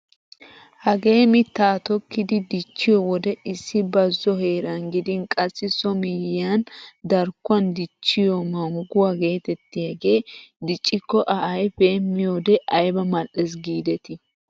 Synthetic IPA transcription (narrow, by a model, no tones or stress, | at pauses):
hɐɡe̞ːmɪt̪ːaːt̪ɔkːɪd̪ɪd̪ɪt͡ʃːɪjɔwɔd̪ɛɪsːɪbɐzːɔɦe̞ːɾɐnɡɪd̪ɪnkʼɐsːɪsɔmɪjand̪ɐɾkːʊɐnd̪ɪt͡ʃːɪjɔmɐŋɡʊwaɡe̞ːt̪ɛt̪ːɪjaɡe̞ːd̪ɪt͡ʃʼːɪkːɔʔɐʔɐjpeːmːɪjoːd̪ɛʔɐjbɐmɐlʔɛs̬ɡiːd̪ɛt̪ɪ